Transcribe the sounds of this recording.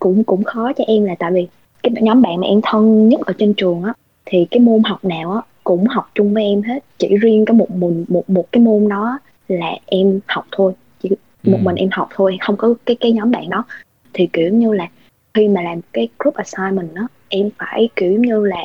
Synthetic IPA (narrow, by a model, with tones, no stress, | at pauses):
kʊ̰˧˥ŋ͡mkʊ̰˧˥ŋ͡mxɔ˨˦t͡ɕɔ˧ʔɛ˧mlaː˨˩t̪a̰ː˧˨jvi˨˩ | kaː˨˦˨ɲɔ˨˦mɓa̰ː˧˨nmaː˨˩ʔɛ˧mt̪ʰə˧nɲə˦˥t̚ʔəː˧˩t͡ɕe˧nt͡ɕɨ˨˩əŋʔaː˨˦ | t̪ʰi˨˩kaː˨˦jmo˧nɦa˨˩wk͡p̚naː˨˩wʔaː˨˦kʊ̰˧˥ŋ͡mɦa˨˩wk͡p̚t͡ɕʊ˧ŋ͡mvəː˨˦jʔɛ˧mɦe˦˥t̚t͡ɕḭ˧˩zi˧ənkɔ˨˦mo˨˩t̚mï˨˩ŋ̟mo˨˩t̚mo˨˩t̚kaː˨˦jmo˧nɗɔ˨˦˨ | laː˨˩ʔɛ˧mha˨˩wk͡p̚t̪ʰo˧j | t͡ɕi˧˩ | mo˨˩t̚mï˨˩ŋ̟ʔɛ˧mha˨˩wk͡p̚t̪ʰo˧jxə˧wŋ͡mkɔ˨˦kaː˨˦jkaː˨˦jɲɔ˨˦mɓa̰ː˧˨nɗɔ˨˦ | t̪ʰi˨˩ki˧˩əwɲɨ˧laː˨˩ | xi˧maː˨˩laː˨˩mo˩kaː˨˦jkɾu˦˥p̚ʔaː˨˩saː˧jmï˨˩ŋ̟ʔaː˨˦ | ʔɛ˧mfaː˧˩jki˧˩əwɲɨ˧laː˨˩